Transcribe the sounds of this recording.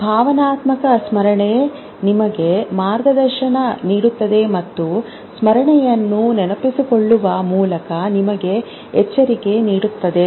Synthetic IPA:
bʱaːʋɐnaːt̪mɐkɐsmɐɾɐɳe | nimɐɡe̞maːɾɡɐd̪ɐɾʃɐnɐniːɽut̪ːɐd̪e̞mɐt̪ːu | smɐɾɐɳɛjɐnːunɛnɐpisiko̞ɭːuʋɐmuːlɐkɐnimɐɡe̞ | ɛt͡ʃːɐɾike̞niːɽut̪ːɐd̪e̞

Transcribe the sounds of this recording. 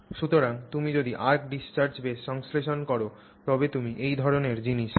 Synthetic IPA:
ʃut̪oɾaŋt̪umid͡ʑod̪iʔaɾkɖist͡ɕaɾd͡ʑbeɔŋsleʃonkɔɾo | t̪ɔbet̪umiʔejd̪ʱɔɾoneɾd͡ʑiniʃ

